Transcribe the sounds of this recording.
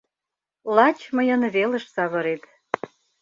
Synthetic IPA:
lɑt͡ɕmə̆jə̆nβelə̆ʃsɑβɤ̆ɾet̪

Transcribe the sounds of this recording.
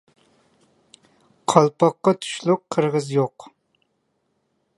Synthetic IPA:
qʰɑlˠpʰɑqːɑt̪ʰu̥ʃlˠʊqʰːəɾʁəzjoq

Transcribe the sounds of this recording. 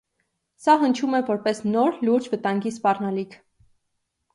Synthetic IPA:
sɑɦənt͡ʃʰumɛvɔɾpɛsnɔɾluɾd͡ʒvət̪ɑŋɡispɑrnɑlikʰ

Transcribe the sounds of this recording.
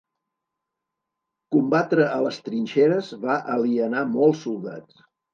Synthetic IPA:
kumbat̪ɾəʔələst̪ɾinʲʃeɾəzβaʔəliənamɔlˠsːulˠd̪a̰t͡s

